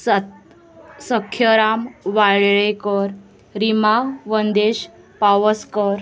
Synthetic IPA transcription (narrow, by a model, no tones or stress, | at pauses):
səkʰjəɾamʋaɭɭekəɾ | ɾimaʋənd̪eɕ | paʋəskəɾ